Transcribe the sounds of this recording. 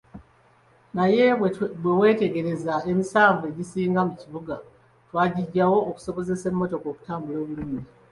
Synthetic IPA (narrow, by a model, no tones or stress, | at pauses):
naje̞bwewe̞ːte̞ɡe̞ɾe̞zae̞misaːɱve̞ɟisiːŋɡamuciβuɡa | twaːɟiɟawo̞ːku̥so̞βo̞ze̞se̞mːo̞to̞ko̞ːku̥taːmbulo̞ːβuluːmi